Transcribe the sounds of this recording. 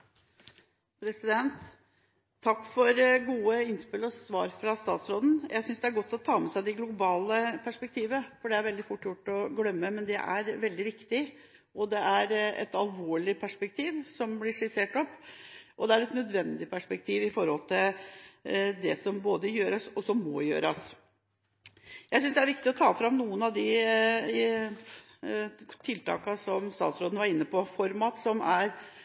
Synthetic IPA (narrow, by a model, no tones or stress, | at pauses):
pʰɾɛsɪd̪ɛnt̪ʰː | ɑkːfɔɾɡuːəɪnspɪlɔsʋɑːɾfɾɑst̪ɑ̰ːt̪sɾoːd̪n̩jʔæɪsʏnsd̪ɛæɾɡɔt̪ːɔt̪ʰɑːmɛsæɪd̪ɛɡlʊbɑːləpʰæʂpɛk̚t̪ʰiːʋəfɔɖɛæɾʋɛld̪ɪfʊʈːjʊʈːɔɡlœmːəmɛnd̪ɛ̰ʔæ̰ɾʋɛld̪ɪʋɪkt̪ɪ | ʔɔd̪ɛʔæɾɛ̰t̪ɑlʋoːɭɪpʰæʂpɛk̚t̪ʰiːʋsɔmblɪʂɪseːʈɔpːʔɔd̪ɛæɾɛt̪nœd̪ʋɛnd̪ɪpʰæʂpɛk̚t̪ʰiːʋɪfɔɾhɔlt̪ʰɪl | d̪ɛsɔmboːd̪əjøːɾɑsɔsɔmːɔ̰jø̰ːɾɑs | jæɪsʏnsd̪ɛæɾʋɪkt̪ɪɔt̪ʰɑːfɾɑmnuːənɑʋd̪ɪ | t̪ʰɪlt̪ʰɑ̰ːkɑsɔmst̪ɑːt̪sɾoːd̪nʋɑɾɪnːəpɔfɔɾmɑːt̪sɔmæɾ